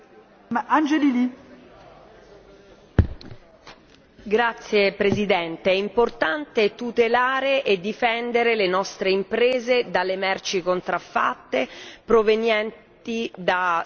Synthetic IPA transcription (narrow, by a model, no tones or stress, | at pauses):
and͡ʒelili | ɡɾat̪sːjepɾezid̪ɛnt̪eɛimport̪ant̪et̪ut̪elaːɾeʔed̪ːifɛnd̪eɾelenɔst̪ɾeimpɾeːzed̪alːemɛrt͡ʃikont̪ɾafːa̰t̪ːepɾovenjɛnt̪id̪a